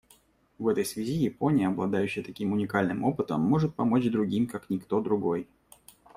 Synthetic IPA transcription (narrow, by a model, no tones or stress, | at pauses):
vɛt̪əjsvʲɪzʲijɪpo̞nʲɪjəɐblˠɐd̪ajʉɕːɪjət̪ɐkʲimʊnʲɪkalʲnɨmo̞pɨt̪əmːo̞ʐɨt̪̚pɐmo̞t͡ɕd̪ɾʊɡʲimkaknʲɪkt̪o̞d̪ɾʊɡo̞j